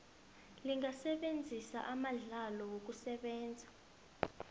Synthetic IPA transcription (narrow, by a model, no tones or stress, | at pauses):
liŋasɛɓend͡zʱisa̰ʔamaɮalɔwok̬usɛɓɛːnd͡zʱḁ